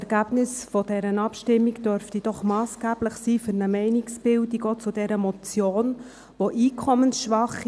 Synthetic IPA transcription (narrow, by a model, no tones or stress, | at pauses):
ɛɾɡ̥æb̥nɪsfɔd̥ɛɾənɑpʃtɪmːiɡd̥øɾftid̥ɔχmɑːsɡ̥æːb̥lɪχsiːfʏɾnəmɛɪniksb̥ɪldiɡɔt͡sʊd̥ɛɾəmɔt͡sjoːn | ʋoʔiːkʰɔmənsʃʋɑχ